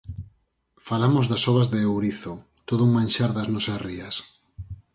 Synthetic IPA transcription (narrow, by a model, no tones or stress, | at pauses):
falamozðɐsɔβɐzðeːwɾiθot̪oðʊuŋmãnʲʃaɾðɐznɔsɐsriɐs